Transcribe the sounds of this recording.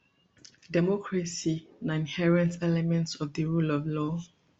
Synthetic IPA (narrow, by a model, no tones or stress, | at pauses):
dɛmɔkʰɹasinaĩnhɛɹɛ̃ntɛlɛmɛ̃ntsɔvðəɹulɔvlɔ